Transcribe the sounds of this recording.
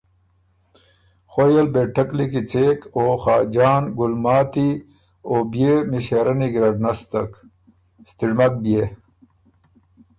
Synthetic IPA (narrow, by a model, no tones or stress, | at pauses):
xojelbeʈʰɐklikit͡seːkoːxaːd͡ʑaːnɡulmaːt̪i | oːbijemiɕeɾɐniɡɾɐɖnɐst̪ɐk | st̪iɽmɐk̚bje